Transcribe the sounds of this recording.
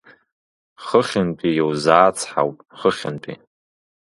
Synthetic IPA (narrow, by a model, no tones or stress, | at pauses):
χəχʲɪnpʼijowzaːt͡sʰħa̰wpʼχəχʲɪ̰npʼḭ